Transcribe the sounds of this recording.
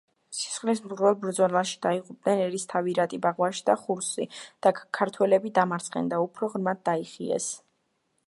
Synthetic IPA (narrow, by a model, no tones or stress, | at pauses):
si̥sχlismzʁvɛlˠbɾd̪zɔlaʃi̥d̪̥aiʁʼup̚d̪nɛnɛɾist̪ʰaviɾat̪ʼibaʁwaʃi̥d̪aχuɾsid̪̥akʰaɾt̪ʰwɛlɛbid̪amaɾt̪sʰʼχʼɛ̰nd̪aupʰɾɔʁɾmad̪̚d̪aiχiɛ̰s